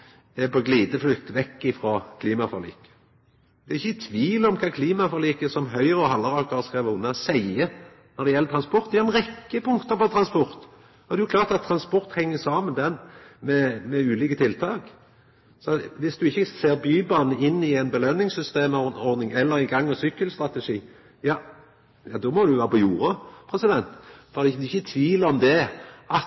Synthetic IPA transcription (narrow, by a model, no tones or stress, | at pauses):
ɛpɔɡliːd̪əflʏkt̪ʋɛkːɪfʁoːkʰliːmɑfɔɾlḭːkə̥ | d̪̥ɛɪçːət̪ʰʋiːlɔmkʰɑːkʰliːmɑfɔʁliːkəsɔmɦœʏʁəɔɦɑlːɑʁɑːkəʁəskʁɛːʋəʊnːəsæɪə | nɔɾd̪ɛjɛlət̪ɾʁɑnspɔɾt̪d̪ɛhœʁɛnʁɛkːəpʰʊŋkt̪əpɔt̪ʰɾɑnspɔʁt̪ | ɔd̪ɛjʊkʰlɑːʁt̪ɑt̪ʰːɾɑnspɔʁt̪hɛŋːəsɑːmənd̪ɛnmɛmɛʉːliːkət̪ʰɪlt̪ʰɑːk | sɔʋɪsd̪ʉɪçːəseːɾbyːbɑnəɪnːɪɛɪnbəløːnːɪŋsʏst̪eːmɔɾnɪŋɛlːəɾɪɡɑŋːɔsʏkːəlst̪ɾɑt̪ɛʂiː | jɑː | jɑːd̪ɔmɔd̪ʉʋæːʁəpʰɔjuːɾəpʰɾɛsɪd̪ɛnt̪fɔd̪ɪd̪ʉɪçːət̪ʰʋiːləɾɔmd̪ɛʔɑt̪